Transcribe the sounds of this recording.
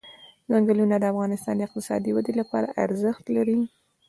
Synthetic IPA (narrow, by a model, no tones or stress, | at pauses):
zaŋɡalunad̪əafɣɑnɪst̪ɑ̰nd̪əɪq̚t̪ɪsɑ̰d̪iwad̪elapɑɾaʔaɾzəxt̪laɾi